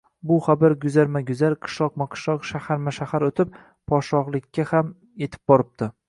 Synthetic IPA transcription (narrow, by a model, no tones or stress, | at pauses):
bʊχabaɾɡʊzaɾmaɡʲʊzaɾqʰɨ̥ʃlˠɒq̚maqʰɨ̥ʃlˠɒqʃahaɾmaʃahaɾot̪ʰɪp̚ | pʰɒʃɒʁlˠɪkʲʰːaham | je̞t̪ʰɪ̥p̚bɒɾɪp̚t̪ɪ